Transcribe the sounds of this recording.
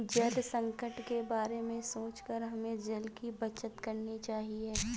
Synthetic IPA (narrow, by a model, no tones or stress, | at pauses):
d͡ʒɐlsɐ̃ŋkəʈkebaːɾemẽsoːt͡ʃkəɾɦɐmẽd͡ʒɐlkibɐt͡ʃət̪kɐɾnit͡ʃaːɦieː